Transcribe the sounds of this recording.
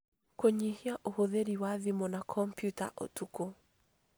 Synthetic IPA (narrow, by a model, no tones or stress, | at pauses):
koɲihiaʔohoðeɾiwaðimɔnakʰɔmpjuta̰ʔo̰tuko